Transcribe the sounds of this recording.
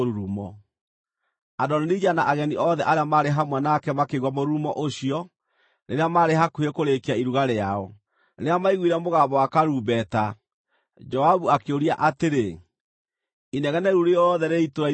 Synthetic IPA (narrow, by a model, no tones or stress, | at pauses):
oɾuɾumɔ | adɔnenid͡ʑanaʔaɣɛniʔɔðɛʔaɾeamaɾeɦamwanakɛmakeɣwamoɾumɔʔoɕiɔ | neɾeamaɾeɦakuekoɾekeaiɾuɣaɾeaɔ | neɾeamaiɣwiɾɛmoɣabɔwakaɾuːbɛta | d͡ʒɔaβuakeoɾiaʔateɾe | inɛɣɛnɛɾuɾeɔðɛɾeitoɾa